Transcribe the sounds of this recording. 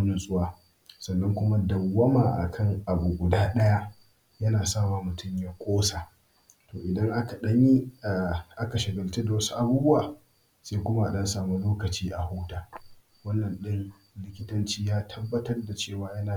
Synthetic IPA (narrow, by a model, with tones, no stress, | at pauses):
nʊ˦nsʼʊ˦waː˨ | sɐ˨nːɐ˦ŋkʷʊ˦ma˦dɐ˨wːɐ˦maː˨ʔa̰˨kʰɐ˦ŋʔa˨buː˨ɡʷʊ˨daː˦ɗɐ˦ja˦ | jɐ˦naː˨saː˦˨waː˨mʊ˨tʰʊ˦˨mjaː˦kʷʰʼoː˦saː˨ | toː˨ʔɪ˨dɐ˦ŋʔa˦ka˨ɗɐ˦ɲi˦˨ | ʔa˦ka˨ʃɪ˨ɡɐ˨lte˦da˨wɐ˦su˦ʔa˨buː˦bʊ˦waː˨ | sa˦jkʷʊ˦ma˦ʔa˨ɗɐ˦nsaː˨mu˦loː˦kɐ˨t͡ʃiː˦ʔa˨hu˦taː˨ | wɐ˦nːɐ˨nɗɪ˦ŋ | lɪ˦kʲɪ˦tɐ˦nt͡ʃiː˦jaː˦tʰɐ˦bːɐ˦tɐ˦rda˨t͡ʃeː˦˨waː˨jɐ˦naː˨